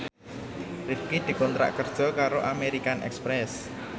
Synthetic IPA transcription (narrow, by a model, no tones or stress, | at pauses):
rifkid̪̥i̤kɔnt̪ɾa̰ʔkərd̥ʒ̥ɔ̤kaɾoʔameɾikanʔɛ̰kspɾɛs